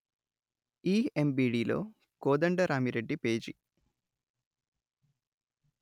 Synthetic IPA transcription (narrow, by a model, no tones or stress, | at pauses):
iːembiːɖiːlo̞̰ː | koːd̪ɐɳɖɐɾaːmiɾeɖːipeːd͡ʒi